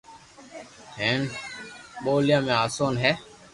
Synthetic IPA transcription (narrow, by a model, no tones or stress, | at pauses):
hẽːn | ɓoːljãːmẽaːsoːnɦɛː